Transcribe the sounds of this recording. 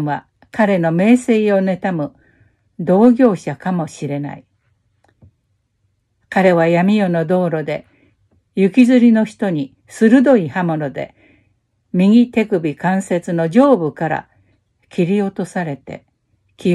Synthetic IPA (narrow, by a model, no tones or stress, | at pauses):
βa | kaɾe̞no̞me̞ːse̞io̞ne̞t̪amɯ̟ | d̪o̞ːɡʲo̞ːɕakamo̞ɕiɾe̞na̰i | kaɾe̞βajamʲijo̞no̞d̪o̞ːɾo̞d̪e̞ | jɯkʲizɨɾʲino̞çi̥t̪o̞ɲ̟i | sɨɾɯ̟d̪o̞ihamo̞no̞d̪e̞̰ | mʲiŋʲit̪e̞kɯ̟bʲikãɰ̃se̞t͡sɨno̞d͡ʑo̞ːbɯ̟kaɾa̰ | kʲiɾʲio̞t̪o̞saɾe̞t̪e̞̰ | kʲi